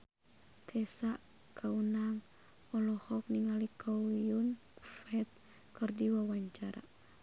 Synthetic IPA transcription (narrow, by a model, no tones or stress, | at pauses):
t̪ʰɛsaʔ | kʰaunaŋ | ɔlɔhɔk̚niŋalikʰɔijun | fɛt̪̚ | kɨrdiwawaɲt͡ʃaɾa̰